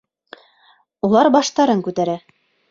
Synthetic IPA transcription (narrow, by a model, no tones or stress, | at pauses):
ulˠɑɾbɑʃt̪ɑɾɤŋkʉt̪æɾæ